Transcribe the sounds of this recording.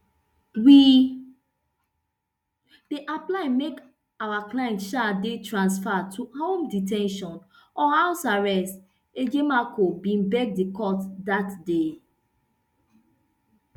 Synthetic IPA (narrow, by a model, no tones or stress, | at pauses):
wi | deʔaplaɪ̃nmek | awaklaɪɛ̃ntʃadetɹãns̬fatʰuhõmditʰɛ̃nʃɔ̃n | ɔhaʊsaɹɛst | ed͡ʒemakʰobĩnbɛk̚dekɔtdatde